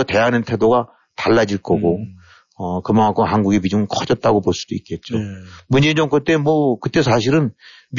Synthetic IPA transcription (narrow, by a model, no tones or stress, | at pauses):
ʌte̞ɦanɯntʰe̞doɡa | taɭːad͡ʑiɭk͈ʌɡo | ʌkɯmaŋak͈ʰoɦanɡuɡepid͡ʑuŋk͈ʰʌd͡ʑʌt̚t͈aɡopoɭs͈ud̥oik͈e̞t̚t͡ɕ͈omund͡ʑeɲd͡ʑʌŋk͈ɯt͈e̞mwʌkɯt͈e̞s̬ʰaɕ̬ʰiɾɯn | m